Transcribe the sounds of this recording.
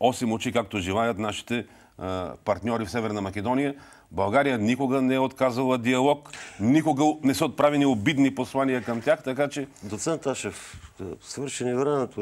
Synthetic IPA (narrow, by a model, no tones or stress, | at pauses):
ɔsɛmot͡ʃikak̚t̪oʒilˠajət̪naʃi̥t̪ɛ | pɐɾt̪nʲɔɾifsɛvɛɾnɐmɐkɛd̪ɔnijə | bɐlˠɡaɾijənikoɡənɛɛot̪kazɐlˠəd̪iɐlˠɔknikoɡənɛsəot̪̚pɾavɛniobid̪niposlˠaniəkɐmt̪ʲjaxt̪ɐkat͡ʃɛd̪ot̪sɛnt̪aʃɛfsvɤɾʃɛnivɾɛnɛt̪o